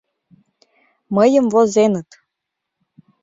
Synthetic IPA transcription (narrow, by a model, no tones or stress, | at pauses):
məjəmvozenə̆t̪